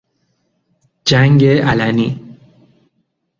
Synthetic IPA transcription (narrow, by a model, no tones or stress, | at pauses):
d͡ʒaŋɡeʔalani